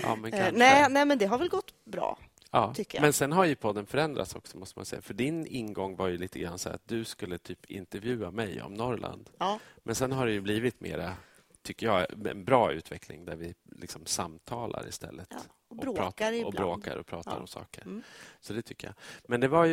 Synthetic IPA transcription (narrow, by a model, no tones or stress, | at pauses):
ʔɑ̰ːmɛnkʰanɛnɛːmɛnd̪ɛɦaɾvɛlɡɔt̪ːbɾɑ̰ː | ɑːt̪ʰʏːjmɛnsɛnɦaɾjɵpʰɔd̪ːənfœɾɛnd̪ɾʔat̪sɔksɔ̥mɔst̪əma̰nsɛ̰jːafœɖɪnɪnɡɔŋːvaɾjɵliːt̪ʰəɡɾanːsæːɾa̰t̪̚d̪ɵskɵlːət̪ʰyːpɪ̰nt̪ɛɾvjʉ̟ːamɛjɔ̰mnɔɾlʔa̰nd̪mʔɛnsɛnɦaɖɛjɵbliːvɪt̪mḛːɾa | t̪ʰʏkːəjɑːɛ̰nbɾɑːʉ̟ːt̪vɛkʰlɪ̰ŋd̪æɾvɪlɪksɔmsamt̪ʰɑːla̰ɾɪ̰st̪ɛ̰lːət̪ | ɔɾpɾɑːɔbɾoːk̪a̰ɾɔpʰɾɑːt̪aɾɔ̰msɑ̰ːkəɾsɔd̪ɛt̪ʰʏkːəja̰mɛnd̪ɛvaɾj